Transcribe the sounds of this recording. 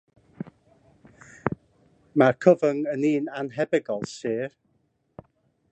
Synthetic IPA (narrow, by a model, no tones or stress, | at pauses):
markʰəvəŋəniːnanɦɛbɛɡɔlˠsiːr